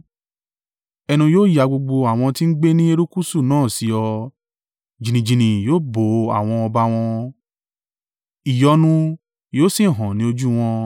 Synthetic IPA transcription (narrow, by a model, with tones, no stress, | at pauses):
ɛ˧nũ˧joː˦ja˨˧ɡ͡bo˧ɡ͡bo˧a˨w̃ɔ̃˧ti˦n̩˦ɡ͡be˦nĩ˦e˧ɾu˦ku˦su˦˨nãː˦˨si˧ɔ˧ | d͡ʒĩ˨nĩ˨d͡ʒĩ˨nĩ˨joː˦bo˨a̰˨w̃ɔ̃˧ɔ˧ba˧w̃ɔ̃˧ | i˨jɔ˨˦nũ˧ | joː˦si˦˨ɦɔ̃˨nĩ˦o˧d͡ʒu˦w̃ɔ̃˧